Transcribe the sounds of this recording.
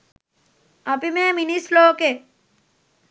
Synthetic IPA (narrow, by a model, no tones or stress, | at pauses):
ɐpimeːminisloːke